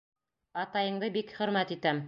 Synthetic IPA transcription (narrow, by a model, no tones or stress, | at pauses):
ɑt̪ɑjɤ̆ɴd̪ɤbikχɵ̆ɾmæt̪it̪æm